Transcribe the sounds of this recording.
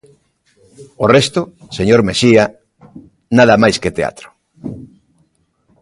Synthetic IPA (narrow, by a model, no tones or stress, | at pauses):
orest̪oseɲoɾmeʃia | naðɐmajsket̪ea̰t̪ɾo̥